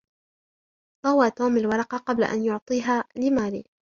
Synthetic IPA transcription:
d̪ˤɑwaːt̪oːmalwɑɾˤɑqɑqɑbla̰ʔa̰njʊʕt̪ˤiːɦaːlɪmaːlḭː

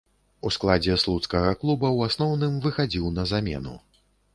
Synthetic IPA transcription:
usklˠad͡zʲɛslˠut̪skɐɣɐklˠubɐwasnɔwnɨmvɨxad͡zʲiwnɐzamʲɛ̰nṵ

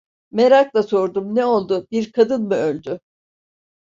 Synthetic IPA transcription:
me̞ɾaklˠaso̞ɾd̪umnɛo̞lˠd̪ʊbiɾkʰad̪ɯnmɯølʲd̪y

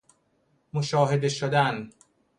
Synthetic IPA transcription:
moʃɒːɦed̪eʃod̪æn

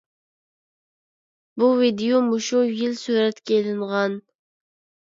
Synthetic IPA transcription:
buvid̪ijomuʃujilsyɾɛt̪kʲelɪɴʁɑn

